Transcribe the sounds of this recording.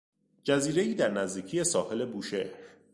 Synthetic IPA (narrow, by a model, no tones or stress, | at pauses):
d͡ʒæziːɾe̞iːd̪æɾnæzd̪iːcʰije̞sɒːhe̞le̞buːʃehɾ